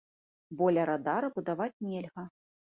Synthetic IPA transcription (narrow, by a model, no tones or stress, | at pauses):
bɔlʲɐɾad̪aɾɐbud̪avat͡sʲnʲɛlʲɣɐ